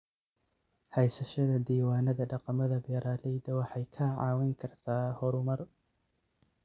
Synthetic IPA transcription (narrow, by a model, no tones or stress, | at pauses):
hɛjsɐʃɐðɐd̪iːwaːnɐðɐɖɑqɑmɐðɐbɛːɾaːlɛjd̪ɐwɑħɑjkʰɐʕɑ̰ːwɪŋkʰɐrt̪ʰaːhɔɾʊmɐr